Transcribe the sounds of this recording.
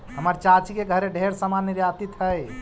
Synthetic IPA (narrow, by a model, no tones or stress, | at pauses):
ɦəməɾt͡ʃat͡ʃikeɡʱəɾeɖʱeɾsəmanːiɾjat̪it̪ɦəj